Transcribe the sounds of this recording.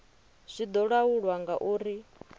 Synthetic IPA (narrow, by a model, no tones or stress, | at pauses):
z̥ʷid̪ɔɺawuɺwaŋɡaʔuːɾi